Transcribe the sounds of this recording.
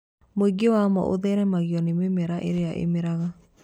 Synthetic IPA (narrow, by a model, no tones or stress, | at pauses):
moiɡewamɔ̰ʔo̰ðɛɾɛmaɣjɔnememɛɾaʔḛɾeaʔḛmeɾaɣa